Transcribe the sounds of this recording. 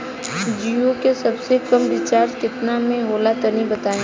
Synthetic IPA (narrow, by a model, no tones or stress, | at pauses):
d͡ʒiokesɐbsekɐmʋɪt͡ʃaːɾskɪt̪namẽɦoːlat̪ɐnibɐt̪aːẽ